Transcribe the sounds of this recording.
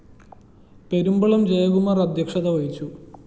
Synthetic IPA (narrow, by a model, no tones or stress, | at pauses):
pe̞ɾumbɐɭɐmd͡ʑejɐɣumɐrɐd̪ʱjɐkʂɐðɐʋɐjit͡ɕːu